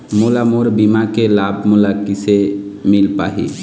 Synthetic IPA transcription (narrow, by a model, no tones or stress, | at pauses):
mulamoɾbimakelab̚ʱmulakisemilpa̰ɦḭ